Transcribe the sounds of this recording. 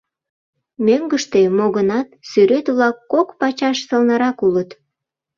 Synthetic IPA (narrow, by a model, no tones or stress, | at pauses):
møŋɡəʃt̪emoɣənɑt̪syɾet̪βlɑkːokpɑt͡ɕɑʃsəlnɑɾɑkulət̪